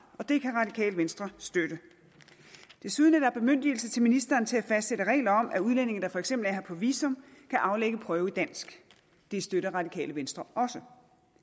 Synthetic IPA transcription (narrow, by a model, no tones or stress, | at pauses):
ɒ̽d̥e̝kʰæʁɑ̈d̥ikʰɛ̰ːld̥ʋensd̥ʁɐsd̥øɾ̥ə | d̥e̝suð̞ˠnæd̥ɑɐb̥e̝møn̰d̥il̩sət͡sʰe̝lminisd̥ɐːnt͡sʰe̝æfæsd̥seɾəʁɛ̰ːlɐɒ̽m̰ʔæuð̞ˠlen̰e̝ŋn̩d̥ɑ̈fɒ̽eɡ̥semb̥l̩æɐhɑɐpʰɒ̽ʋḭːsɔ̽mkʰæʔɑ̈ʊleɡ̥əpʰʁœːʊid̥æn̰sɡ̥ | d̥esd̥øɾɐʁɑ̈d̥ikʰɛ̰ːləʋensd̥ʁɐʔɒ̽sə